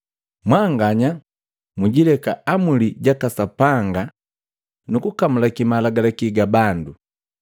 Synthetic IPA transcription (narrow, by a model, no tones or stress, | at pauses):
mwaŋɡaɲa | muɟilɛkaamuliɟakasapaŋɡa | nukukamulakimalaɡalakiɡabandu